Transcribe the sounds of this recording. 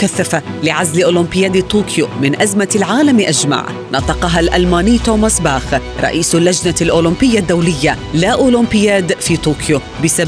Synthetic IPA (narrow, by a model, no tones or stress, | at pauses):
kaθːafalɪʕazlɪʔʊːlʊmbɪjaːd̪t̪uːkʰjomɪnʔazmalʕaːlamʔad͡ʒma̰ʕ | nʔɑːt̪ˤɑqɑɦalʔalmaːnɪːt̪oːmasbaːx | ɾˤɑ̰ʔiːslːad͡ʒnalʔʊːlɪmbɪjːad̪ːawlɪjːalaʔʊːlʊmbɪjaːd̪fiːt̪uːkjo | bɪsab